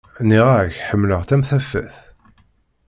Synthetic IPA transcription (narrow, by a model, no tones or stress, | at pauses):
niʁaçħəmːləʁt̪æmθæfæ̰θ